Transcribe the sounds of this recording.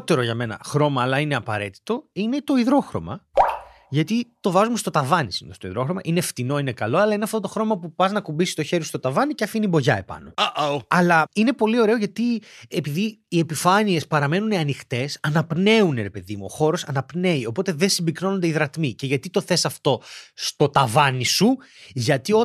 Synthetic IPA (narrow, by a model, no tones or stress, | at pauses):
t̪e̞ɾoʝɐme̞nɐ̰xɾo̞mɐːlɐineɐpɐ̰ɾe̞t̪i̥t̪o̞ine̞t̪o̞iðɾo̞xɾo̞̰mɐ̰ | ʝɐt̪it̪o̞vɐzumest̪o̞t̪ɐvɐnisino̰ðest̪oḭðɾo̞xɾo̞mɐʔineft̪ino̞ine̞kɐlo̞ɐlɐineɐft̪o̞t̪oxɾo̞mɐpupɐznɐkumbisi̥st̪o̞çe̞ɾist̪o̞t̪ɐvɐniceɐfinibo̞ʝɐe̞̰pɐ̰no̞ɐlɐine̞po̞lio̞ɾe̞o̞ʝɐt̪iepiðiːe̞pifɐnie̞spɐɾɐme̞nuniɐnixt̪e̞sɐnɐpne̞uneɾe̞pe̞ðimuo̞̰xo̞ɾo̞sɐnɐpne̞io̞po̞t̪e̞ðensimbikno̞nond̪eiðɾɐt̪mice̞ʝɐt̪it̪oθe̞sɐft̪o̞st̪o̞t̪ɐvɐnisu | ʝɐt̪io